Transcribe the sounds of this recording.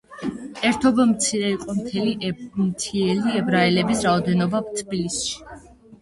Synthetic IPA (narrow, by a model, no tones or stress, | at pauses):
ɛɾt̪ʰɔbamt̪sʰiɾɛiqʼɔmt̪ʰɛlimt̪sʰiɛliɛbɾaɛlɛbisɾaɔd̪ɛnɔbat̪ʰbilisʃi̥